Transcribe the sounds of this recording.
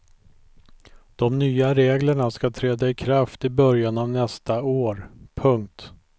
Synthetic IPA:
d̪̥ɔmnyːaɾeːɡləɳaskat̪ʰɾɛːd̪aɪkʰɾaft̪ɪbœɾjanavnɛst̪aoːɾpʰɵŋk̚t̪

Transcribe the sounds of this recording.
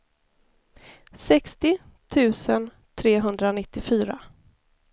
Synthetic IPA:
sɛkst̪ɪ | t̪ʰʉ̟ːsən | t̪ʰɾeːɦɵnd̪ɾanɪt̪ːɪfyːɾa̰

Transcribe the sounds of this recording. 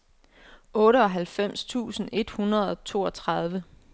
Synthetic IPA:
ʔɔ̽ːɾəɒ̽ɦælfem̰st͡sʰṵːsn̩e̝d̥hunɐð̞ˠɒ̽t͡sʰo̝ːɒ̽t͡sʰʁɑð̞ˠʋə

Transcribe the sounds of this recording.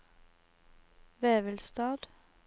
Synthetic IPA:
ʋeːʋəlst̪ɑːd̪̥

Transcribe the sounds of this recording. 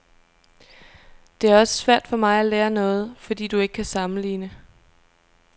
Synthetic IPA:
d̥e̝æɐɒ̽sə̥sʋæɐ̰d̥fɒ̽mɑ̈ɪæleːɐnɔ̽ːð̞̩ˠfɒ̽d̥ḭːd̥ue̝ɡ̥əkʰæsɑ̈mn̩lḭːnə

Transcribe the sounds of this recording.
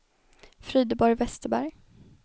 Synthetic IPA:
fɾyːd̪əbɔɾjvɛst̪əbæɾj

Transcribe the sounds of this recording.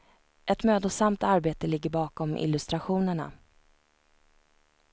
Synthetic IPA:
ʔɛt̪møːd̪ɔsamt̪aɾbeːt̪əlɪɡːəɾbɑːkɔmʔɪ̰lɵst̪ɾaɧuːnəɳa̰

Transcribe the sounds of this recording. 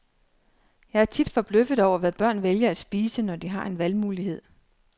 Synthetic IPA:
jɑ̈ɪæɐt͡sʰid̥fɒ̽b̥løfð̩ˠɒʊ̰ɐʋæb̥ɶɐ̰nʋeljɐæd̥sb̥iːsənɒd̥iɦɑ̈ʔe̝nʋælmuːlihe̝ð̰ˠ

